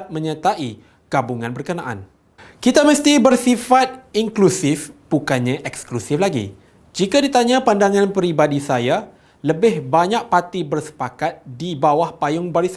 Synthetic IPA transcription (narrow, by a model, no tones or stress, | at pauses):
t̪̚mə̃ɲə̃t̪aʔi | ɡ̥abuŋãnbərkənaʔa̰n | kit̪amə̃st̪ibərsifat̪̚iŋklusɪfb̥ukanɲãʔɛksklusɪflaɡḭ | d͡ʒikadit̪aɲãpandaŋãnpəɾibadisaja | ləbɪhbaɲak̚pat̪ibərsə̥pakat̪̚dibawahpajʊŋbaɾis